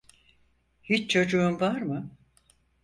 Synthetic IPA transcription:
hit͡ʃt͡ʃʰo̞d͡ʒuumvaɾmɯ

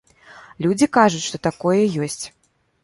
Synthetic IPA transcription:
lʲud͡zʲikaʐut͡sʲʂt̪ɔt̪akɔjɛjɔsʲt͡sʲ

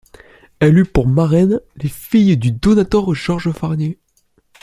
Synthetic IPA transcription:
ɛlypuʁmaʁɛnlefijd̪yd̪ɔnat̪œʁʒ̥ɔʁʒəfaʁnje

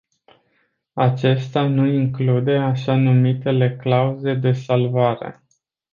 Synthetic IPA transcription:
at͡ʃe̞st̪anuiŋklud̪e̞aʃanumit̪e̞le̞klauze̞d̪e̞salvaɾe̞̰

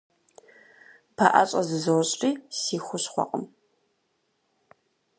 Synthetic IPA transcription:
pʰaʔa̰ɕʼɐzɨzɐwɕʼrʼiːsiːxʷʊɕχʷɔ̰qʼəm

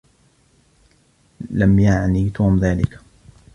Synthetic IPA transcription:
lamjaʕniːt̪uːmðaːlɪ̰k

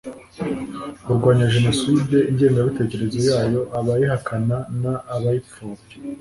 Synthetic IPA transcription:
uɾɡwaːɲaʒe̞no̞side̞iɲɟe̞ːŋɡaβite̞ːce̞ɾe̞zo̞jaːjo̞ʔaβajiɦakananaʔːβajip͡fuːɾe

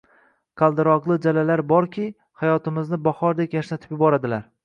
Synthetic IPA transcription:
qʰɑlˠd̪ɪɾɒqlˠɪd͡ʒalalaɾbɒɾkʲʰi | hajɒt̪ɪmɪznɪbahɒɾd̪ekʲjaʃnat̪ʰɪ̥pjʊbɒɾad̪ɪlaɾ

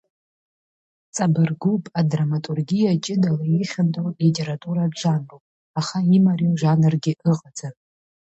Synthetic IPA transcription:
t͡sʼabɨrɡupʼadramatʼurɡʲijat͡ʃʼɪdalaiχʲandʼowʼlitʲʼe̞ɾatʼuɾaʒanropʼ | aχaimariwʒanɨrɡʲɪʔɨqʼad͡za

